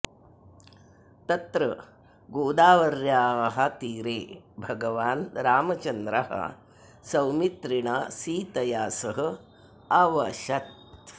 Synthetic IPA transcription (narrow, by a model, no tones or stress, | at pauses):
t̪ɐt̪ɾɐ | ɡoːd̪aːʋɐɾjaːɦɐt̪iːɾeːbʱɐɡɐʋaːnɾaːmɐt͡ʃɐnd̪ɾɐ̰ɦɐ̰ | sɐwmit̪ɾiɳasiːt̪ɐjaːsɐɦɐ̆ | ɐʋɐʃɐt̪